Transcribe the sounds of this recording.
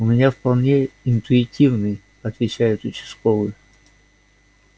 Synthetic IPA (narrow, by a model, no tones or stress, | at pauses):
ʊmʲɪnʲafpɐlˠnʲeɪnt̪ʊɪtʲivnɨj | ɐt̪vʲɪt͡ɕæjʊt̪ʊt͡ɕɪ̥skolˠɨ